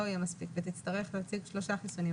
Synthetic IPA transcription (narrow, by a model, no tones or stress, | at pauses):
oajemaspikvet̪it͡st̪aʁeχleat͡siɡʃloʃaχisuni